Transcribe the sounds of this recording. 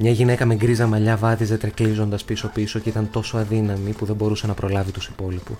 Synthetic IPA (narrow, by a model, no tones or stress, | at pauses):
mɲɐʝine̞kɐme̞ɡɾizɐmɐʎɐvɐðize̞t̪ɾeklizo̞nd̪ɐspiso̞piso̞ce̞it̪ɐnt̪o̞so̞ɐðinɐmipuðebo̞ɾuse̞nɐpɾo̞lɐvit̪usi̥po̞lipu